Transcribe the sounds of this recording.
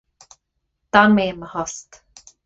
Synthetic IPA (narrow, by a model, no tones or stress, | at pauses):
d̪̥anmeməhɔst̪